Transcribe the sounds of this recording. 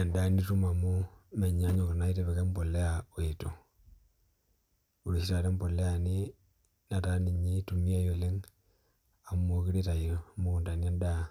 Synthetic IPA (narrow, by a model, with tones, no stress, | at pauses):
e˨nda˦ni˦tu˦ma˨mu˦me˨ɲa˦ɲo˨ka˨na˦i˦te˨βe˨ke˦m˦po˨le˦jaweto˨ | u˨li˨ʃi˦ta˨te˦mbo˨le˦a˨ni˦ | na˨ta˦ni˨ɲi˦tu˨mi˦a˦jo˨le˦ŋ | a˨mo˦ki˦ɾe˦ta˨i˨ɾo˨mu˦ku˨nta˨ni˦a˦nda˦